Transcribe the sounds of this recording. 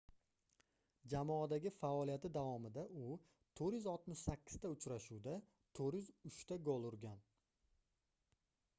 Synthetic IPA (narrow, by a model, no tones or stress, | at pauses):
d͡ʒamɒad̪aɡʲɪfaɒlˠijat̪ɪd̪avɒmɪd̪aʔʊ | t̪ʰoɾjʏzɒlˠt̪mɪʃsakʲːɪ̥z̥t̪ʰaʊt͡ʃɾaʃuwd̪a | t̪ʰoɾjʏzʊʃt̪ʰaɡolˠʊɾɡʲan